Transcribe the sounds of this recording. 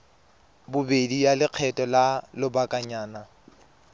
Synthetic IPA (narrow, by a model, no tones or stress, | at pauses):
bʊbedijalɪq͡χʰɛtʼɔlalʊbakʼaɲaːna